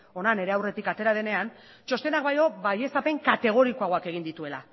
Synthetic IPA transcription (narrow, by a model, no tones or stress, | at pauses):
o̞nane̞ɾe̞awre̞t̪ikat̪e̞ɾað̞e̞ne̞an | t͡ʃo̞st̪e̞nak̚bajo̞βaje̞sape̞ŋkat̪e̞ɣ̞o̞ɾikoaɣo̞ake̞ɣind̪it̪ue̞la̰